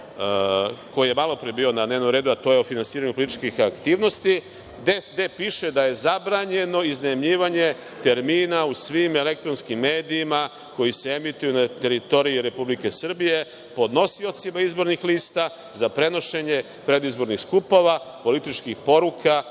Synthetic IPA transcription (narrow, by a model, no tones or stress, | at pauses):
ko̞jije̞malˠo̞pɾiebiodnad̪neʋno̞mɾe̞ːd̪uat̪o̞ːjeo̞finansiːɾaɲupolit̪it͡ʃkixakt̪iːʋno̞st̪i | d̪esd̪e̞piʃe̞d̪aje̞zabɾaɲe̞no̞iznemʎiːʋaɲe̞ | t̪e̞ɾmiːnausʋime̞le̞k̚t̪ɾonskimːe̞ːd̪iːma | ko̞jiseemit̪ujunat̪e̞ɾit̪o̞ɾiiɾe̞publike̞sr̩bije̞ | po̞d̪no̞sio̞t̪simaizbo̞ɾnixliːst̪a | zapɾe̞no̞ʃe̞ɲe̞ | pɾe̞d̪izbo̞ɾnixskupo̞ʋa | po̞lit̪it͡ʃkixpo̞ɾukʰa